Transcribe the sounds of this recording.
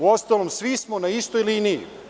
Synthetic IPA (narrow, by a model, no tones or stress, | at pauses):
uost̪aːlomsʋismonaist̪ojlinijḭ